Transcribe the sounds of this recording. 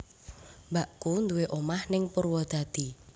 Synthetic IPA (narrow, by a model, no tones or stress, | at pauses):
mbaʔkund̪uweʔomahnɪŋpurwɔd̪̥a̤d̪̥i